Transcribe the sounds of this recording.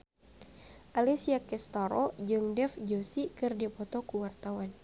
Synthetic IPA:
ʔalisiakɛst̪aɾɔd͡ʒɨŋdɛfd͡ʒosikɨrdipɔt̪ɔkuwart̪awan

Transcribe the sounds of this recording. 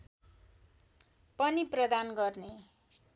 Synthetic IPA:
pʌniprʌd̪anɡʌrne

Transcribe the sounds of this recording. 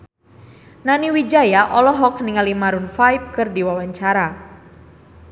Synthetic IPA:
naniwid͡ʒajaʔɔlɔɦɔk̚niŋalimaɾunfajp̚kɨrdiwawaɲt͡ʃaɾa

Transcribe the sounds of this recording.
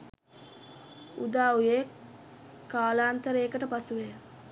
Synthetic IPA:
ud̪aːuje | kaːlaːnt̪əɾeːkəʈəpasuʋejə

